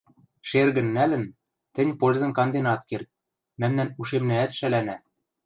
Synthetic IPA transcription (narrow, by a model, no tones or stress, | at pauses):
ʃerɣɘ̆nːælɘ̆n | t̪ɘ̆nʲpolʲzɤ̆mkɑnd̪enɑt̪kert̪̚ | mæmnænuʃemnæːt̪ʃælænæ